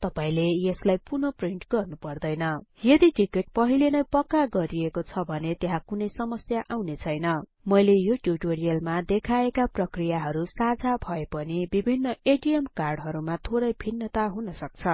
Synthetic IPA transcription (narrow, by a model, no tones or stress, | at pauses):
t̪ʌpaĩlejeslajpunopriɳʈɡʌrnupʌrd̪ʌjnʌjʌd̪iʈikeʈ̚pʌɦilenʌjpʌkːaɡʌɾiekot͡sʰʌbʱʌnet̪eɦãkunʌjsʌmʌsjaʔawnet͡sʰʌjnʌ | mʌjlejoʈjuʈoɾijʌlmad̪ekʰaekaprʌkrijaɦʌɾusad͡zʱabʱʌepʌnibibʱinːʌeʈiemkarɖɦʌɾumat̪ʰoɾʌjbʱinːʌt̪aɦunʌsʌk̚t͡sʰʌ